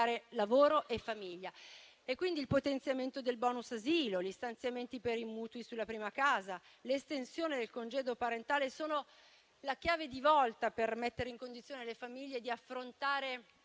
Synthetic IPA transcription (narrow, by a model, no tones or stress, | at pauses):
aːɾelavoːɾoʔefːamiʎːa | ekːwind̪ilpot̪ent̪sjament̪od̪elbɔːnusaziːloʎist̪ant̪sjament̪ipeɾimuːt̪uisulːapɾiːmakaːzaleːst̪ensjoːnid̪elkond͡ʒeːd̪opaɾent̪aːlesoːno | lakjaːved̪ivɔlt̪apermet̪ːeɾeiŋkond̪it̪sjoːnelefamiʎːed̪iafːɾont̪aːɾe